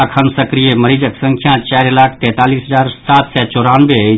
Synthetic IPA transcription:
kʰənsəkɾijeməɾid͡ʒəksə̃ŋkʰjãt͡ʃaːɾlaːkʰt̪ɛ̃ːt̪aːliːsɦəzaːɾsaːt̪sɛt͡ʃoɾanbe

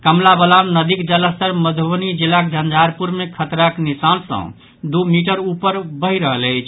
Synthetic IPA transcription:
kəmlabəlamnəd̪ikd͡ʒələst̪əɾməd̪ʱʋənid͡ʒilakd͡ʒʱənd͡ʒʱaɾpuɾmekʰət̪ɾəknisansə̰̃ | d̪umiʈəɾupəɾbəɦiɾəɦələɪt͡ʃʰ

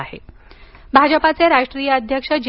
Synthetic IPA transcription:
aɦḛ | bʱad͡ʑəpat͡seɾaʂʈɾijəəd̪ʱjəkʂəd͡ʑ

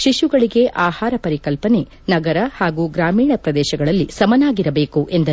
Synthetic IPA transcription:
ʃiʃuɡɐɭiɡe̞ʔaːhaːɾɐpɐɾikɐlpɐne̞ | nɐɡɐɾɐhaːɡuːɡɾaːmiːɳɐpɾɐd̪ɛːʃɐɡɐɭɐlːisɐmɐnaːɡiɾɐbeːkuʔe̞nd̪ɐ

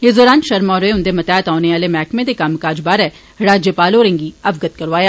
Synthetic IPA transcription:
jeːzoːɾaːnʃɐɾmɔːɾoeʊ̃nd̪emɐt̪ɛːt̪ɦɔːneʋaːlemɛːkmẽd̪ekamkaːd͡ʒbaːɾɛ | ɾaːd͡ʒjəpaːloɾɪ̃ŋɡiɐʋɡət̪̚kɐɾʋaːjaː

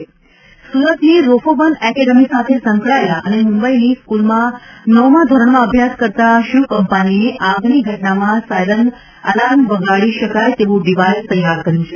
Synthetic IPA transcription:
suɾət̪liɾofobənɛkeɖəmisat̪ʰesəŋkɭaelaʔənemũmbəiniskulmãnɔmad̪ʱoɾəɳmãəbʱjaskəɾt̪aʃukəmpanineʔãɡniɡʱəʈnamãsajɾən | əlanʋəɡʱaɭiʃəkajt̪eʋũɖiʋajst̪əjaɾkəɾjũt͡ʃʰe

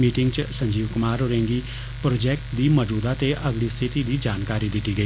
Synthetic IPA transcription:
miːʈɪŋɡt͡ʃsə̃ɲd͡ʒiːʋkʊmaːɾʊɾẽːŋɡiː | pɾoːd͡ʒɛːk̚ʈd̪iːmɔd͡ʒuːd̪aːt̪eʔəɡliːst̪ʰɪt̪iːd̪iːd͡ʒaːnkaːɾiːd̪ɪt̪iːɡəiː

